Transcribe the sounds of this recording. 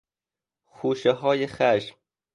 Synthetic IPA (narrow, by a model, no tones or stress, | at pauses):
xuːʃeɦɒːjexæʃm